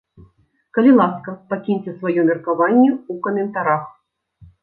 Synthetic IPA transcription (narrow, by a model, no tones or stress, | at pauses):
kɐlʲilˠaskɐpakʲinʲt͡sʲɛsvajɔmʲɛrkavanʲːɛukɐmʲɛnt̪aɾax